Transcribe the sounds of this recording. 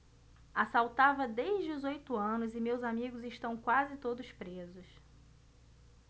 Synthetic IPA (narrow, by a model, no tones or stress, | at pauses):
asawt̪avɐd̪eʒd͡ʒɪʊzojt̪ʊɐ̃nʊzɪmewzamiɡʊzɪʃt̪ɐ̃w̃kwazɪt̪od̪ʊspɾezʊs